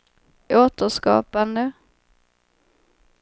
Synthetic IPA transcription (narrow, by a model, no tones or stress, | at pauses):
ʔoːt̪əʂkɑ̰ːpand̪ə